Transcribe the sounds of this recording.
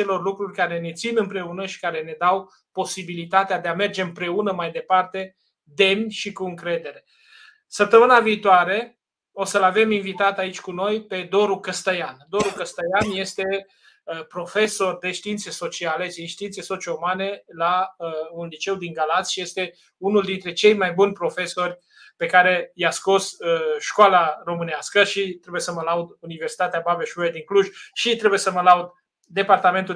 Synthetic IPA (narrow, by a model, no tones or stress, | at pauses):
e̞lo̞rlukɾurʲkaɾe̞ne̞t̪sinɨmpɾe̞unəʃi̥kaɾe̞ne̞d̪aw | po̞sibilit̪at̪ead̪eame̞rd͡ʒe̞ɨmpɾe̞unəmajd̪e̞part̪e̞ | d̪e̞mnʲʃikuɨŋkɾe̞d̪e̞ɾe̞ | səp̚t̪əmɨnaviːt̪oaɾe̞ | o̞səlave̞minvit̪at̪ait͡ʃʲkuno̞jpe̞d̪o̞ɾukəst̪əjand̪o̞ɾukəst̪əjanje̞st̪e̞ | pɾo̞fe̞so̞rd̪e̞ʃt̪iint̪seso̞t͡ʃialesejʃt̪iint̪seso̞t͡ʃioomane̞launlit͡ʃe̞wd̪iŋɡalat̪sʲʃije̞st̪e̞ | unuld̪int̪ɾe̞t͡ʃe̞jmajbunʲpɾo̞fe̞so̞rʲ | pe̞kaɾe̞jasko̞səʃkoalaro̞mɨneaskəʃit̪ɾe̞buje̞səməlaud̪universi̥t̪at̪eabaveʃued̪iŋkluʒʃit̪ɾe̞buje̞səməlaud̪ | d̪e̞part̪ame̞nt̪u